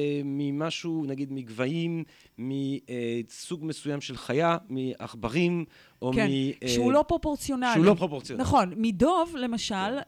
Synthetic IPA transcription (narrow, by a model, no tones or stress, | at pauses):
mimaʃunaɡid̪miɡvaimː | iesuɡmesujamʃelχajamia̰χbaʁim | ʔoeiʃeulo̞pʁo̞po̞ʁt͡sjo̞naʃlulopʁopoʁt͡sjonnaχo̞nmido̞vle̞maʃal